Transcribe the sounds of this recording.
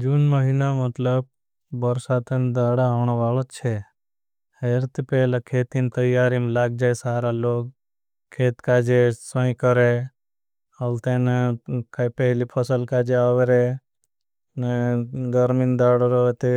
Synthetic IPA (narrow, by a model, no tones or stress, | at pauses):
d͡ʒunməɦinamɐt̪ləb̚ | bəɾsat̪end̪aːɽaːʋɳ̃aʋaːlot͡ʃʰe | heɾt̪ipeːlakʰeːt̪int̪əjːaːɾimlaːɡ̚d͡ʒaːjsaːɾaloːɡ̚ | kʰːeːt̪kaːd͡ʒesə̃ĩkəɾe | ɐlt̪enekajpɛɦlipʰəsəlkaːd͡ʒeaːʋeɾe | neɡəɾmind̪aːɽɾot̪e